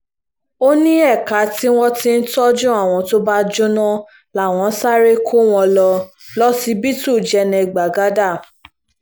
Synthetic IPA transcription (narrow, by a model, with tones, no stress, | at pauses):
o˦nĩ˦ɛ˦˨ka˨˦ti˦w̃ɔ̃˦ti˦n̩˦tɔ˦d͡ʒũ˦a˦˨w̃ɔ̃˧to˦ba˦d͡ʒu˦nɔ̃˦ | la˨w̃ɔ̃˧˦sa˦ɾe˦kʰo˦w̃ɔ̃˧lɔ˧ | lɔ˦si˦bi˦tu˦˨d͡ʒɛ˧nɛ̃˧˨ɡ͡ba˨ɡa˨˦da˦˨